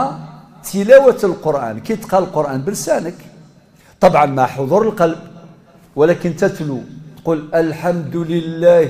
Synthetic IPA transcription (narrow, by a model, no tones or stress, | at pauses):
t̪əlæwət̪əlqoɾʔæ̰nkit̪qɑləlqoɾʔænbəlsænək | t̪ˤɑbʕɑnmæħod̪ˤuɾəlqɑlb̚ | wəlækənt̪æt̪lut̪quləlħamd̪ləlːæ